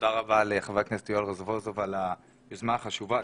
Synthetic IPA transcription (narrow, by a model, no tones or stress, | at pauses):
od̪aʁabaːleχavaknest̪iolʁezvozovala | ezmaːχaʃuva